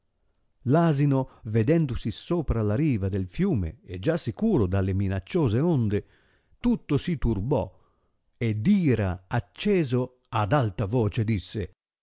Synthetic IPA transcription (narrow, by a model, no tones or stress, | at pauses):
laːzinoved̪ɛnd̪ʊsisoːpɾalaɾiːvad̪elfjuːmḛed͡ʒasːikuːɾod̪alːeminat͡ʃːoːzeond̪e | t̪ut̪ːosit̪urbɔ̰ | ed̪iːɾaːt͡ʃːɛːzo | ad̪alt̪avɔːt͡ʃed̪isːe